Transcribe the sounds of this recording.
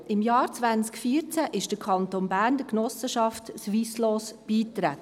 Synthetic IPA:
ʔɪmjɑːɾt͡sʋænt͡skfiːəɾt͡sæʔɪʃd̥əkʰɑnt̪onbæːɾndəknɔsəʃɑftsʋiːsloːsb̥iːt̪ɾæt

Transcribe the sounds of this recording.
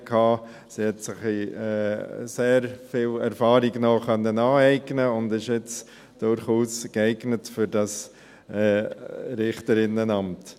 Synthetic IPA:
kʰhɑː | sihɛtsɪχiɛseːɾfiːlɛɾfɑːɾiɡnoχœnːənɑːɛɪɡnəʊndɪʃjɪt͡s | d̥ʊɾχuːsɡ̥ɛɪɡnətfʏɾd̥ɑs | ɛːɾɪχtəɾɪnənɑmt

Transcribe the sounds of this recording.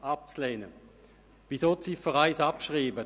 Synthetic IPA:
ap̚t͡slɛːnə | visotsifəʁaɪsapʃʁiːbə

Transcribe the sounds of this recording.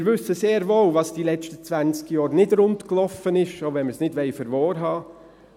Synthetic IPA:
ɾʋʏsəseːɾʋoːlvɑsd̥iːlɛt͡ʃtət͡sʋænt͡skjɔːɾnɪdɾʊntklɔfənɪʃoʊvɛnməsnɪdʋɛɪfəɾʋɔːɾɦɑː

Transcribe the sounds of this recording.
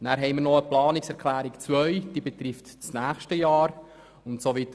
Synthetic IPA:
næːɾɦɛɪməɾnɔəplɑːniksɛɾkʰlæːɾikt͡svœʏd̥iːbet̪ɾɪftt͡snæːxʃtəjɑːɾ | ʊntsovit̪

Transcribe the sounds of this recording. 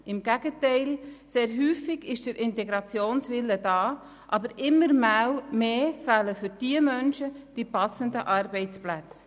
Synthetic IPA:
ɪmɡ̥æɡ̥ətɛɪlseːɾɦyːfɪɡ̥ɪʃd̥əɾʔɪntɛɡɾɑt͡sjoːnsʋɪlːəd̥ɑː | ʔɑbəɾɪmːəɾmæwmeːfæːləfʏɾd̥iəmœnʃəd̥ipɑsəndəʔɑrbɛɪt͡splæt͡s

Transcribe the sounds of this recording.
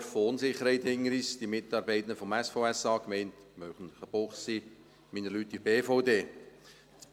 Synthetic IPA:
ɾfoʊnsɪχəɾhɛɪtɪŋːəɾisd̥imɪtɑːɾbɛɪt̪ndəfɔmɛsfoʊɛsɑːkmɛɪnt | mœχən̩ləχəb̥oχsiː | miːnəlyːtːibeːfoʊdeː

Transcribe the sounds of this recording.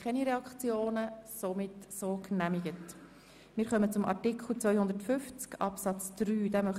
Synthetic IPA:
kχɛniɾɛɑkt͡sjoːnəsomɪtsoːknæmiɡət | mɪːɾχœmət͡sʊmʔɑ̰ɾtɪkʰχl̩ˠt͡sʋœʏhʊnd̪əɾtfʏft͡skɑ̰psɑt͡sd̥ɾyːd̥amœχ

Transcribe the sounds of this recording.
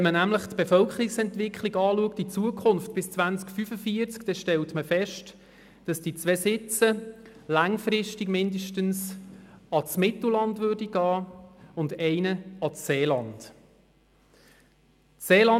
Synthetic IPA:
ɛnmənæmləχtb̥efœlkʰəɾiksɛntʋɪkχliɡɑːluək̚tit͡suəkʰχʊnftb̥ɪst͡sʋænt͡skfyfəfiəɾt͡skd̥ɛʃtɛltməfɛʃt | d̥ɑsd̥it͡sʋeːsɪt͡sə | læŋfɾɪʃtiɡmɪndəʃtəns | ɑt͡smɪtl̩lɑndvøːrdiɡ̥ɑːʊndɛɪnəɑt͡sseːlɑnd̥ | eːlɑ

